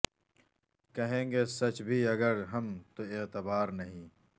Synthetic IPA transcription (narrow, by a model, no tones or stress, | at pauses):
kɐɦẽːŋɡesɐt͡ɕbʱiːɐɡɐɾɦɐmt̪oet̪ɪbaːɾnɐɦĩː